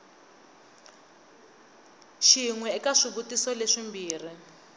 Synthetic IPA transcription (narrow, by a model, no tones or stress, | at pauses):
ʃiŋwɛikaʂiβutisɔleʂimbiːr̤i